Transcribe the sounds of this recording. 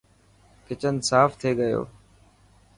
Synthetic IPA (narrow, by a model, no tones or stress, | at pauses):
kɪt͡ʃənsaːft̪ʰeːɠəjo̰ː